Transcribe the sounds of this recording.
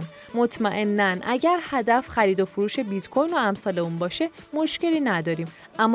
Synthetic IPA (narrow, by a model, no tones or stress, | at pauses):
n | mot̪ʰmæʔe̞nːænʔæɟæɾhæd̪æfxæɾiːd̪o̞fuɾuːʃe̞bit̪kʰo̞jno̞æmsɒːle̞unbɒːʃe̞ | mo̞ʃce̞liːnæd̪ɒːɾiːm | ʔæmː